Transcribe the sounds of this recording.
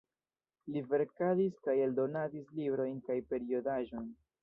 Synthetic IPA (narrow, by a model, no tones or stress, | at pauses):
live̞ɾkadiskajeldo̞nadislibɾo̞jnkajpe̞ɾio̞daʒo̞jn